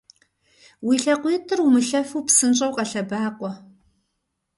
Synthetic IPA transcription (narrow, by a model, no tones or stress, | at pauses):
wiːɬɐqʷiːtʰɨrwumɨɬɐfuːpsɨnt͡ʃʼɐwqɐɬɐbaːqʷʼɔ